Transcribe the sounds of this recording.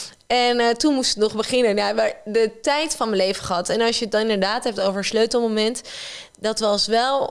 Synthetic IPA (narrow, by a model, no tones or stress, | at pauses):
ɛntunmustɪ̥knɔχbəχɪnənaʋədətɛjtfɑnməlejvəχəɦɑtɛnɑlˠsjəət̚dɑnɪndəɹdaːtɦɛp̚towvəɹsløɥtəl̩ˠmomɛnt | dɑtʋɑsʋɛlˠ